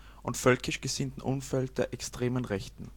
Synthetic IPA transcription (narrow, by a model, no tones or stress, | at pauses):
ʔʊntfœlkʰɪʃɡ̥əzɪntn̩ʔʊnfɛlt̚d̥eːɐʔɛkstʁ̥eːmənʁɛçtn̩